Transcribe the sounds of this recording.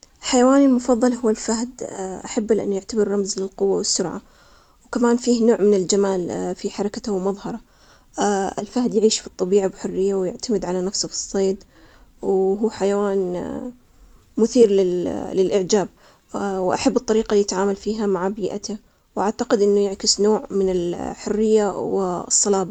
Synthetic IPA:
lħajawaːnɪlmʊfɑðˤːɑlhʊwːalfahd̪ʔaħabːalʔɪ̰nːjɪʕt̪abɪɾːɑmzlɪlqʊwːawɪsːʊɾʕa̰ | wkamaːnfiːhnoːʕmɪnɪld͡ʒamaːlfiħɑɾˤɑkat̪awmɑðˤhɑɾˤɑ | ɪ̰lfahd̪jaʕiːʃfit̪ˤːɑbiːʕabħʊrːɪjːawjɪʕt̪amɪd̪ʕalanafsʊfi̥sˤːeːd̪ | wɦuːħajawaːn | mʊθiːɾlɪlɪlʔɪʕd͡ʒaːb̚ | wʔaħabːɨt̪ˤːɑɾiːqaljɪt̪ʕaːmalfiːɦamaʕbiːʔa̰t̪a | wʔaʕt̪aqɪd̪ʔɪnːʊjɪʕkɪsnoːʕmɪnɪlħʊrːɪjːawɪsˤːɑlɑːbɑ

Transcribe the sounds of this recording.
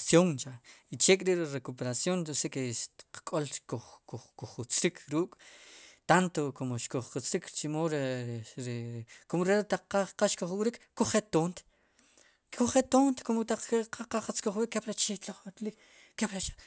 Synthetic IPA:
sjoŋt͡ʃait͡ʃekʼɾiɾɾekopeɾasjonosekeʃqkʼolkoχkoχkuχut͡sɾikʰɾuːkʼt̪ant̪okomoʃkoχqut͡sɾikɾt͡ʃimoɾɾekomoɾet̪aq͡χqaqaʃkoχwɾikːoχet̪ont̪ | kʰuχet̪ont̪komot̪aq͡χqʰaqaqat͡skoχwikːepɾat͡ʃit̪loχlik | kːepɾat͡ʃḁ

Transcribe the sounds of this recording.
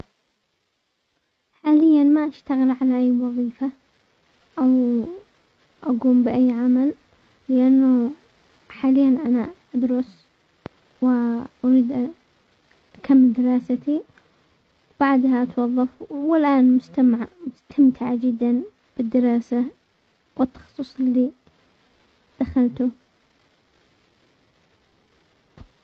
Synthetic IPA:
ħaːlɪjːanmaʔaʃt̪aɣɪlʕalaʔajːwɑðˤiːfa | ʔaw | ʔaɡuːmbɪʔajːʕamalː | ɪʔanːʊ | ħaːlɪjːanʔanaʔad̪ɾʊs | wɪʔaɾiːd̪ʔ | ʔakʰamːɪld̪ɪɾˤɑːsat̪i | b̥aʕd̪haʔt̪wɑðˤːɑfwɪlʔaːnmʊst̪mʊst̪ʰamt̪ʰɪʕad͡ʒɪd̪ːan | b̥ɪd̪ːɪɾɑːsa | wɪt̪ːɑ̥xsˤːusˤɪlːi | d̪̥axalt̪ʊ

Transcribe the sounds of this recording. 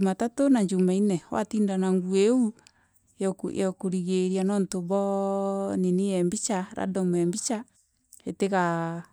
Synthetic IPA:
matatonaɲd͡ʒumainɛwa̰tiːndanaŋɡueu | jkjakoɾiɣeɾjanɔntoβɔnenijɛmbit͡ʃaɾa̰dɔmɛmbit͡ʃa | eteɣa

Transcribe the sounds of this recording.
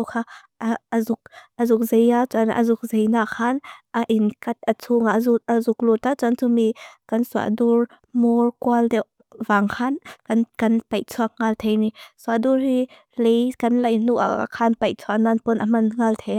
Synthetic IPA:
wkʰaː | ʔʔzʊk̚ʔəzʊk̚zejat͡sanʔə̰zʊk̚zejnaːkʰːanʔaʔinkɐt̪̚ʔət͡sʰuŋaʔzuəzʊk̚lut̪at͡sant͡sumikɐnsua̰ʔdur | mɔɹkualdɛw | vaːŋkʰankɐnkɐnpɐjt͡sʰuɐk̚ŋalt̪ʰejnisuaʔdurhi | lejkɐnlɐjnuʔa̰a̰kʰanpɐjt͡sʰuaʔnanpɔnʔɐmɐnŋalt̪ʰeja

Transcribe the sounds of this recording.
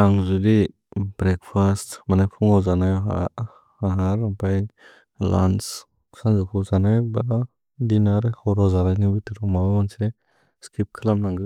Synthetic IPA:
aŋzudi | bɾɛk̚pʰastmanajpʰuŋɔwzanajɔɦa̰ | aɦaɾampaj | la̰ns | kʰsaŋzukʰuzanajbaɾa | dinaɾhɔɾɔzaɾajnibitiɾɔmawamansʰiɾe | skʰip̚kʰɯlamnaŋɡɯ

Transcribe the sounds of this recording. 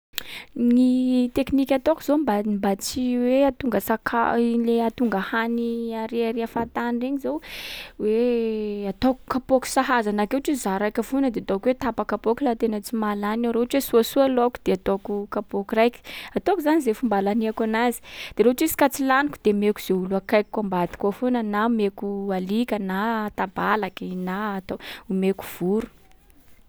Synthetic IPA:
nit̪eknikʲat̪okuzombambat͡siweat̪uŋɡəsakʰaileat̪uŋɡahaniaɾeaɾeafat̪anireɲizowwe | at̪oku̥kapoku̥saɦazanakeʈ͡ʂizaɾajkʲavunəd̪eat̪okwet̪apakapokilat̪enat͡simalanaɾoaʈ͡ʂwesuasualokud̪̥eat̪okukapokurajkʲi̥at̪okizanizefumbalaniakanazi̥d̪̥eɾeɦʈ͡ʂizi̥kat͡silanikud̪̥emekuz̥euluakajkikːambad̪i̥kafonənamekualikʲənat̪abalakinat̪oumeku̥v̥uɾu̥

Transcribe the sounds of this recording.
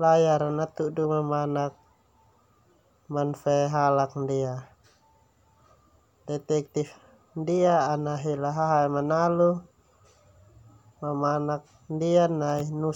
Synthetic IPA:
lajaɾanat̪udumamanak̚ | manfɛɦalak̚ndia | dɛt̪ɛk̚t̪if | ndiaːnaɦilaɦaɦamanalu | mamanak̚ | ndianainu

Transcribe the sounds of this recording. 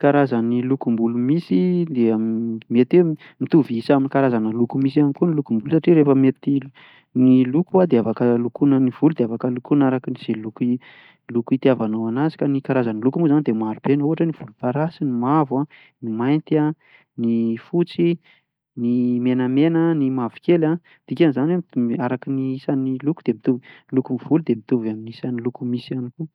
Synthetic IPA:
kaɾazanilukumbulumisid̪emet̪e | mit̪uviisaminikaɾazanəlukumisianikunilukumbulsaʈ͡ʂiɾefəmet̪i | nilukuad̪eafakəlukunəniv̥ulud̪eafakəlukunaɾakiniz̥eluki | lukit̪iavanowanazi̥kanikaɾazanilukumuzanid̪emaɾubenuɦaʈ͡ʂəniv̥ulupaɾasinimava | nimajnt̪a | nifut͡si | nimenəmenənimavi̥kʲela | d̪̥ikʲanizanweiaɾakiniisanilukud̪̥emit̪uvlukumiv̥ulud̪emit̪uvaminisanilukumisianiku

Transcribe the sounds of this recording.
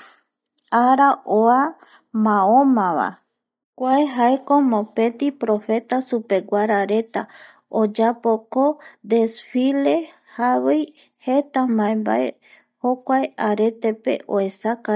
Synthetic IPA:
aɾaʔoa | mãõmãβa̰ | kʷaeɦaekomõpẽ̞t̪ipɾofe̞t̪asupe̞ɡʷaɾaɾet̪a | od͡ʒapokod̪esfile̞ | haβej | het̪amãẽmba̰ḛ | hokʷaeʔaɾe̞t̪e̞pe̞̰ʔoesaka

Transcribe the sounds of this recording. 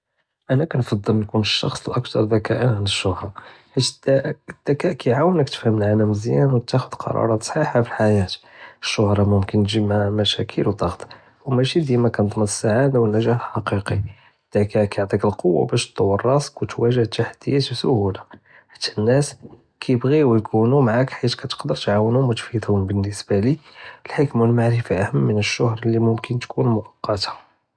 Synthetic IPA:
ʔænækænfɑd̪ˤːəlnkunəʃːɑ̰xsˤəlʔækt̪ɑɾˤd̪ækæʔənʕanəʃːʊhɾˤɑ | ħit̪d̪æd̪̥ækæʔkæjʕawənəkt̪ə̥fhəməlʕalæmzjænwt̪æxʊd̪̥qʰɑ̰ɾˤɑ̰ɾˤɑt̪sˤħiħafiħajæt̪ | əʃːʊhɾˤɑmʊmkənːʒəbhæmæʃækʰəlwd̪ˤɑɣt̪ˤ | wmæʃid̪jæmækænt̪ˤməd̪əsːaʕad̪awənːæʒæħħɑqiqi | d̪̥ækækjəʕt̪ˤikəlqowːa̰bæʃt̪ˤːowərˤːɑsˤqwt̪wæʒəht̪aħd̪̥əjːæt̪sʊhula | ħḁt̪ʰːæ̥nːæs | kʰæjəbɣiwjkʰunumʕakħit̪kæt̪ə̥qd̪əɾˤt̪ʕawənhʊmwət̪fid̪hʊmbənːəsbaliəlħəkmwəlmaʕɾəfaʔæhəmːənəʃːʊhɾˤlːimʊmkənt̪kʰunmʊʔɑqːɑt̪ḁ

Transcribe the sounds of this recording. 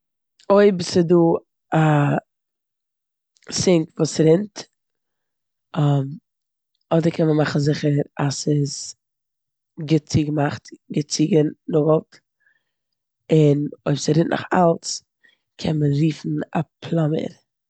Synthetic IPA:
oɪbsəduː | a | sɪŋkvuːsɾɪnt | ɔm | ɔdəɾkʰɛnməmaχn̩zɪχəɾasɪz | ɡət͡siːɡəmaχtɡət͡siːɡənʊɡlˠt | ɪnoɪbsaɾɪntnʔa̰χa̰lˠt͡s | kʰɛnmənɾiːfn̩apʰlˠɔmə̰ɾ

